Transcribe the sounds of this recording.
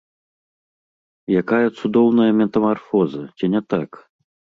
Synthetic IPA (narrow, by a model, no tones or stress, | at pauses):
jakajɐt̪sud̪ɔwnɐjɐmʲɛt̪ɐmarfɔzɐt͡sʲinʲɛt̪ak